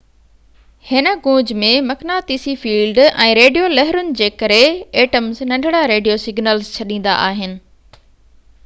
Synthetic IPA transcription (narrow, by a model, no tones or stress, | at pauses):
hɪnə̆ɡõːd͡ʑmẽmɐknat̪iːsifiːlɖɛ̃ːɾeːɖijolɛɦɪɾʊnɪ̆d͡ʑeːkɐɾeeːʈəmznɐ̃ɳɖʱɪɽaɾeːɖijosɪɡnəlzt͡ɕʰɐɗĩːn̆d̪a̰ʔaːɦɪnɪ̆